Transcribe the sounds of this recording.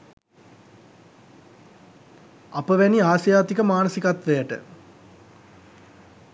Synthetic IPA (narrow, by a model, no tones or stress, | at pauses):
apəʋæniaːsjaːt̪ikəmaːnəsikat̪ʋejəʈə̰